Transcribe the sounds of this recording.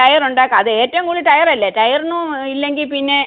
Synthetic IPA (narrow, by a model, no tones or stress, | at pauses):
ɐjɐruɳɖaːkːɨɐðɨe̞ːtːɐʋŋkuːɭːiʈɐjɐrɐlːɐʈɐjɐrnːuilːe̞ŋɡilpinːe̞